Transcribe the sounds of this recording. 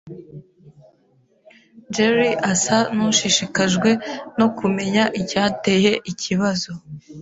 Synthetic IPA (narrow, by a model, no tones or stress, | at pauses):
d͡ʒeɾiʔasanuʃiʃikaʒɡwe̞no̞kume̞ɲaʔicaːte̞je̞ʔiciβazo